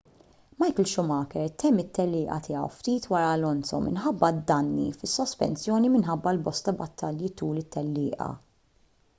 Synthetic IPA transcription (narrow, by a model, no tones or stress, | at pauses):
mɐjkəlʃʊmɐːkɛɾt̪ɛmːɪt̪ːɛlːɪːʔɐ̰t̪ɪːjɐ̰wft̪iːt̪wɐɾɐlɔnsɔmɪ̰nħɐbːɐd̪ːɐnːḭfɪsːɔspɛ̰nsjɔːnimɪnħɐbːɐlbɔst̪ɐbɐt̪ːɐljit̪uːlɪt̪ːɛlːɪːʔɐ̰